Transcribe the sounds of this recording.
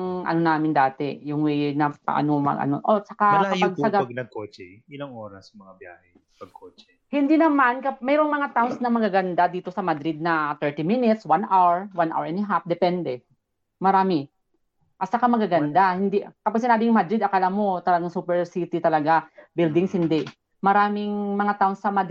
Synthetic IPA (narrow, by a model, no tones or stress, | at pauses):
ŋʔɐ̰no̞naːmɪnd̪aːt̪ɛjʊŋwɛjnɐpɐ̰ʔa̰nomɐ̰ɡʔɐ̰no̰ʔot͡ʃɐkakːɐaɡ̚sɐɡɐɡnɐɡ̚kot͡ʃɛ̰ʔɪlaŋʔoːɾɐsmɐŋabja̰ːhɛ | pɐɡ̚kʰot͡ʃɛ | hɪnd̪inɐmankɐmɛɾoŋmɐŋat̪awnsnɐmɐɡaɡɐnd̪ad̪iːt̪o̞sɐmɐd̪ɾɪd̪̚nɐt̪ɛɹt̪imɪnɪt̪swanʔawɛɹwanʔa̰wɹɛnɪɦap̚d̪ɛpɛnd̪ɛ | mɐɾaːmɪ | ʔɐt̪̚t͡ʃɐkamɐɡaɡɐnd̪ahɪnd̪ikɐpaɡ̚s̬ɪnaːbɪŋmad̪ɾɪd̪ɐkɐlamo̞t̪ɐlɐɡaŋsuːpɛɹsit̪ɪt̪ɐlɐɡabɪld̪ɪŋsɪnd̪ɪʔ | mɐɾaːmɪŋmɐŋat̪awnsɐmɐd̪